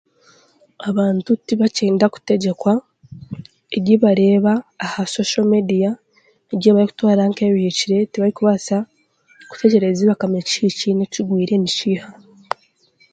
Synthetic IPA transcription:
aβaːntutiβaciːndaku̥te̞ɟe̞kwa | eɟiβaɾe̞ːβaːhaso̞ʃomedija | eɟiβaɾiku̥twaːɾaŋkeβihiciɾe̞tiβaɾikuβasa | ku̥te̞ɟe̞ɾe̞ziβakamecicineciɡwiːɾe̞niʃiːha

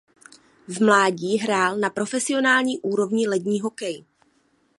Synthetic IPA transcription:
vmlaːɟiːɦɾaːlnapɾo̞fɛsɪo̞naːlɲiːʔuːɾo̞vɲɪlɛdɲiːɦo̞kɛj

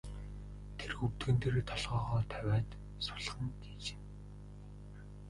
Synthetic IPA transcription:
t̪ʰerxuwt̪ɡɘ̆nt̪ʰĕrt̪ʰɔɮʁɔːʁɔːt̪ʰæwʲæːt̪ | sʊ̥ɮʁə̆nt̪iːt͡ɕĕ̥n

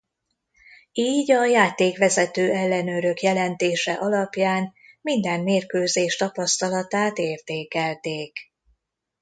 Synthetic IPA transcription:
iːɟɒjaːt̪eːkʋɛzɛt̪øːɛlːɛnøɾø̞kjɛlɛnt̪eːʃɛ̰ʔɒlɒpjaːnmind̪ɛmmeːrkøːzeːʃt̪ɒpɒst̪ɒlɒt̪aːt̪eːrt̪eːkɛlt̪eːk

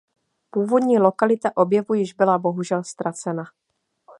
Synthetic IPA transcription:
puːvo̞d̪ɲiːlo̞kalɪt̪aʔo̞bjɛvujɪʒbɪlabo̞ɦuʒɛlst̪ɾat͡sɛna

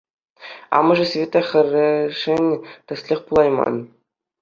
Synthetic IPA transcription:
ɑ̰mɤ̆ʐɘ̆svʲet̪ɑxʲɘ̆rʲɘ̆ʂɘ̆nʲt̪ʲɘ̆sʲlʲexʲpulˠɑjmɑ̰n

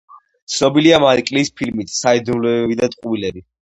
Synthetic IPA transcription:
t̪sʰnɔbiliamaɾikʼlispʰilmit̪ʰsaid̪unlɛbid̪at̪ʼqʼvilɛbi

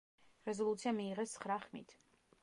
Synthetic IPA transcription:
ɾɛzɔlˠut̪sʰiamiːʁɛst̪sʰχɾaχmḭt̪ʰ

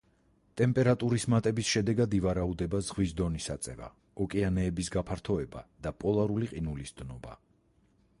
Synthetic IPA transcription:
t̪ʼɛmpʼɛɾat̪ʼuɾismat̪ʼɛbisʃɛd̪ɛɡad̪ivaɾaud̪ɛbazʁwisd̪ɔnisat̪sʼɛ̰va̰ | ɔkʼianɛːbisɡapʰaɾt̪ʰɔɛba̰d̪apʼɔlˠaɾuliqʼinulisd̪̥nɔba̰

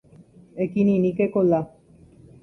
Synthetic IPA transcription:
ekininikekola

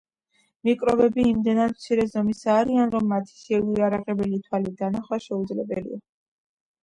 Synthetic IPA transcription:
mikʼɾɔbɛbiːmd̪ɛnad̪mt̪sʰiɾɛzɔmisaːɾianɾɔmːat̪ʰi̥sɛviaɾaqʼɛbɛlit̪ʰwalid̪anaχwaʃɛud̪zlɛbɛlḭa

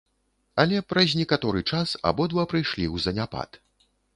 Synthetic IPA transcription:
ɐlʲɛpɾɐzʲnʲɛkat̪ɔɾɨt͡ʂasa̰bɔd̪vapɾɨjʂlʲiwzɐnʲapa̰t̪

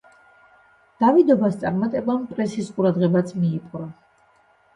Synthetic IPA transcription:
d̪̥avid̪ɔbast̪sʼaɾmat̪ʼɛbampʼɾɛsisqʼuɾad̪ʁɛbat̪sʰmiːpʼɾa

